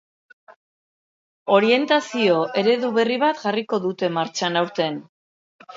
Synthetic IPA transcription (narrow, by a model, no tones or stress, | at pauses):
o̞ɾie̞nt̪asio̞ʔe̞ɾe̞ðuβe̞riβ̞at̪ʝariko̞ðut̪e̞maɾt͡ʃanawɾt̪e̞n